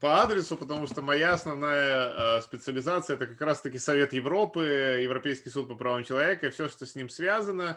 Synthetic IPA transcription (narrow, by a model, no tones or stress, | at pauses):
pɐad̪ɾʲɪsʊpət̪ɐmuʂt̪omɐjaɐsnɐvnajəspʲɪt̪sɨəlʲɪzat̪sɨəɛt̪əkɐkɾast̪əkʲɪsɐvʲe̞t̪jɪvɾo̞pɨjɪvɾɐpʲejskʲɪjsut̪̚pəpɾɐvamt͡ɕɪlˠɐvʲe̞kəifsʲɵʂt̪osʲnʲimsvʲazənə